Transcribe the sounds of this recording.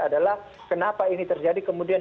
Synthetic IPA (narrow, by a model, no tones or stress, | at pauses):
adalah | kənapainit̪ərd͡ʒadikəmudian